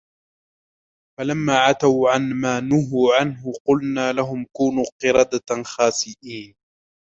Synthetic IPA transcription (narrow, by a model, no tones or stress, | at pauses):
falamːaːʕat̪awʕanmaːnʊɦuːʕanɦʊqʊlnaːlaɦʊmkuːnuːqɨɾˤɑːd̪axaːsɪʔiːn